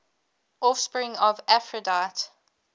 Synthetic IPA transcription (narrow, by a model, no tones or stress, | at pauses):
ʔɔfspɹɪ̃ŋɔvæfɹədaɪt